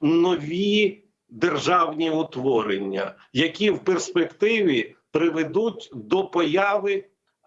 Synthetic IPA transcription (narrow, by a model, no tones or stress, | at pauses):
nɔʋʲi | d̪erʒɑwnʲiʊt̪ʋɔɾenʲːɐ̰ | jɐkʲiwperspekt̪ɪʋʲipɾɪʋed̪utʲd̪ɔpɔjɑʋɪ